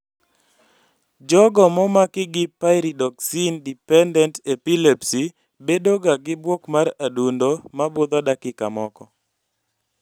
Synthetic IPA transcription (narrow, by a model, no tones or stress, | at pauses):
d͡ʒɔɡɔmɔmakɪɡɪpaɪɾidɔksindipɛndɛntepilepsi | bedoɡaɡɪbwɔkmaɾadundomabʊd̪ɔdakɪka̰mɔkɔ